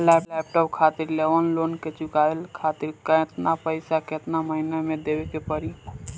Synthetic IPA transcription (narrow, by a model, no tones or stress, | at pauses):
lɛplɛp̚ʈɔp̚kʰat̪iɾleʋənlonket͡ʃukaelkʰat̪iɾkə̃t̪napəɪsaket̪naməɦinamed̪ebekepəɾi